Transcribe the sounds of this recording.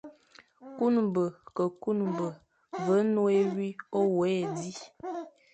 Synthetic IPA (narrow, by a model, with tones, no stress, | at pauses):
ku˦nu˨bə˨kə˨ku˦nu˨bə˨ | və˨˦nõ˦e˦wi˦o˦wo˨˦e˨di˦